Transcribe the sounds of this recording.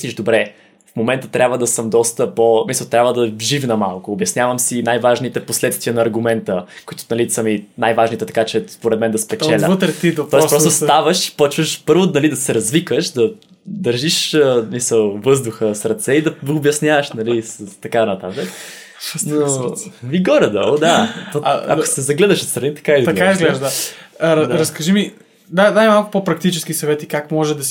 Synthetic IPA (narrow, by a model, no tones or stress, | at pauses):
slʲiʒd̪obɾɛ | fmomɛnt̪ət̪ɾʲabvəd̪ɐsəmd̪ɔst̪əposmisəlˠt̪ɾʲabvəd̪ɐvʒifnɐmalˠkʊːbjɐsnʲjavəmsinajvaʒnit̪ɛposlɛt̪st̪viənɐːɾɡʊmɛnt̪əkoit̪ʊ̥nɐlisəminajvaʒnit̪ɛt̪ɐ̥kat͡ʃɛspoɾɛd̪mɛnd̪ɐspɛt͡ʃɛlʲəvət̪ɾt̪id̪t̪ɔɛsspɾɔst̪ost̪avəʃpɔt͡ʃvəʃpɤɾvonɐlid̪ɐsɛɾɐzvikəʃd̪ɐ | d̪əɾʒiʃəsmisəlˠvɤzd̪ʊxəsɾɐt̪sɛid̪ɐɡoːbjɐsnjavəʃnɐlist̪ɐkanɐt̪at̪ək | noviɡɔɾɛd̪ɔlˠd̪aɔaɐ̰ko̥sɛzɐɡlɛd̪əʃot̪st̪ɾɐnit̪ɐ̥kaɛlizt̪ɐkaɛizɡlɛʒd̪a | ɾɐskɐʒimi | d̪ad̪aimalˠkʊ̥popɾɐk̚t̪it͡ʃɛskisɐvɛt̪ikakmɔʒɛd̪ɐs